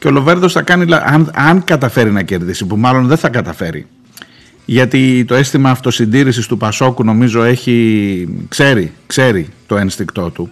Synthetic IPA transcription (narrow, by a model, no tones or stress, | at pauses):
ceo̞lo̞ve̞ɾðo̞sθɐkɐnilɐʔɐnɐŋkɐt̪ɐfe̞ɾinɐce̞ɾðisipumɐlo̞nðeθɐkɐt̪ɐfe̞ɾḭ | ʝɐt̪it̪o̞e̞st̪imɐːft̪o̞sind̪iɾisist̪upɐso̞kuno̞mizo̞e̞çi | kse̞ɾikse̞ɾit̪o̞enst̪ikt̪o̞t̪u